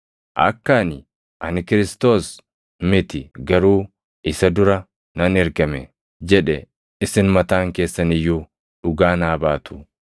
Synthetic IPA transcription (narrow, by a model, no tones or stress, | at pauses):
ʔɐ̰kːaːnɪ | ʔɐnɪkɪɾɪst̪o̞ːs | mɪt̪ɪɡɐɾuː | ɪsɐd̪ʊɾɐ | nɐnɛɾɡɐmɛ | d͡ʒɛᶑɛ | ɪsɪnmɐt̪aːŋke̞ːsːɐnɪjːu | ᶑʊɡaːnaːbaːt̪ʰʊ̥